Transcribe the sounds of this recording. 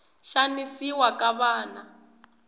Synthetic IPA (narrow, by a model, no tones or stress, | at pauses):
ʃanisiwakʼaβaːna